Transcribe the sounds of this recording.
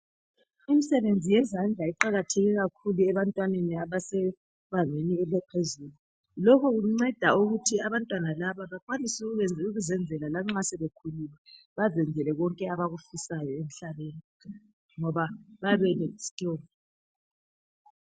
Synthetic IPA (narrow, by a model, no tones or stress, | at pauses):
imisɛβend͡zʱijɛzand͡ɮʱaiǃaɣatʰeɣiɣakʰuluɛβantʼwaneniaβasɛ | βaneniɛlɛpʰezulu | lɔkʰɔɣuŋ͡ǀɛd̥ʱauɣutʰiaβantʼwanalaβaβakʼwanisuɣuɛnd͡zuɣuzɛnd͡zʱɛlalaŋ͡ǁasɛβekʰululɛ | βazɛnd͡zʱɛlɛɣɔŋkʼɛaβaɣufisajɔem̩ɬaβeːni | ŋɔβaβaβɛlɛsi̥tʼoːlɔ